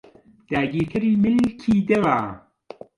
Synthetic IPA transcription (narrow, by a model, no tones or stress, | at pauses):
d̪̥aːɡiːɾk̪ʰɐɾiːmɪlkʰiːd̪ɐwaː